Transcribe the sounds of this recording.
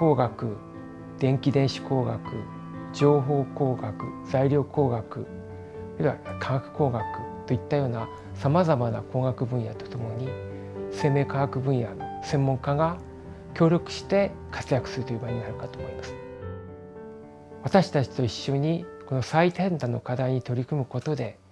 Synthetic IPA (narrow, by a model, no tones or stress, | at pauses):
o̞ːɡakɯ̟ | d̪̥ẽ̞ŋkʲid̪ẽ̞ɰ̃ɕi̥ko̞ːɡakɯ̟̰ | d͡ʑo̞ːɦo̞ːko̞ːɡakɯ̟̰zaiɾʲo̞ːko̞ːɡakɯ̟̰ | ɾiiβa̰kʰãŋɡakɯ̟̥ko̞ːɡakɯ̟̥t̪o̞it̪ːajo̞ːna | samazamana̰ko̞ːɡakɯ̟bɯ̟̃ɰ̃jat̪o̞̥t̪omo̞ɲ̟i | se̞ːme̞ːkaɡakɯ̟bɯ̟̃ɰ̃ja̰sẽ̞mːõ̞ŋkaɡa | kʲo̞ːɾʲo̞kɯ̟̥ɕi̥t̪e̞kʰḁt͡sɨjakɯ̟̥sɨɾɯ̟t̪ojiɯbaiɲ̟inaɾɯ̟kat̪oːmo̞imasɨ̥ | β̞at̪aɕi̥t̪at͡ɕi̥t̪o̞iɕːo̞ɲ̟iko̞no̞sait̪ẽ̞nt̪ano̞kad̪aiɲ̟it̪o̞ɾʲikɯ̟mɯ̟ko̞t̪o̞d̪e̞